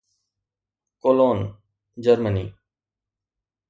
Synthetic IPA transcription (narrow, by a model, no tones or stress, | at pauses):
koːloːn | d͡ʒəɾmənḭː